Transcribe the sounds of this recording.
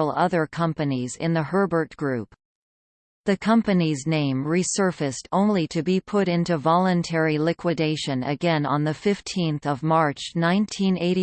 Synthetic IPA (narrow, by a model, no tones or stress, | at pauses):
l̩ˠʌðə˞kʰʌ̃mpɨnizɪ̰̃nðɨhɜ˞bə˞t̚ɡ̥ɹʉp̚ | ðɨkʰʌ̃mpɨniznẽɪ̃mɹisɜ˞fɨstõʊ̃nliɾɨbipʰʊɾɪ̃ntʉvɑlˠə̃ntʰɛɹilɪkʰwɨdeɪʃɨ̃nɨ̰ɡɛ̃nə̰̃nðɨfɪftʰĩnθʌvmɑɹt͡ʃnãɪ̃ntʰĩneɪɾ